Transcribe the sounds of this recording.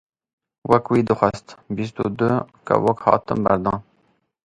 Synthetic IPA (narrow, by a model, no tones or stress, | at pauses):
wɛkwiːd̪ɨxʷast̪bis̬t̪ṵd̪ɨka̰wokhɑ̰ːt̪ɨmbæɾd̪ɑ̃ːn